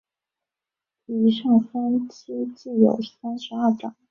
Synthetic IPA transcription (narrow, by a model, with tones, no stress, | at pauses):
i˧˥ʂɑ˥˩ŋfə˥nt͡ɕʰi˥t͡ɕi˥˩jo̰˨˩ʊsa˥nʂɻ̩˧˥a˞˥˩ʈ͡ʂɑ̰˨˩˦ŋ